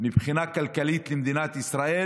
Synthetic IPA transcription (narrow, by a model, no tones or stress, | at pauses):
mibχinakalkalit̪lemd̪inat̪isʁaʔe